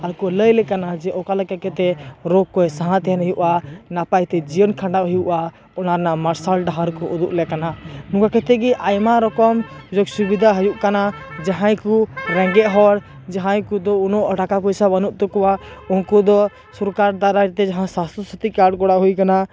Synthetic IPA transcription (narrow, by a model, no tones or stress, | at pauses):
aɾkɔləjlɛkanad͡ʒɛʔɔkalakɛkɛt̪ɛɾɔɡ̚kːɔjsaɦãt̪ɛɦɛnɦəjuʔanapajt̪ɛd͡ʒijənkʰaɳɖaɦɔjuʔa | ɔnaɾnamaɾsalɖaɦaɾkɔʔud̪uʔlɛkananũɡakɛt̪ɛɡɛʔajmaɾɔkɔmud͡ʒɔksubid̪ʱaɦɔjuʔkanad͡ʒaɦãjkuɾɛ̃ŋɡɛʔɦɔɾ | d͡ʒaɦãjkud̪ɔunɔʔəʈakapɔjsabanuʔt̪ɔkɔwaunkɔd̪ɔ | suɾkaɾd̪aɾaɾt̪ɛd͡ʒaɦãsast̪ɔsɔt̪ikaɽkɔɽaɦujkana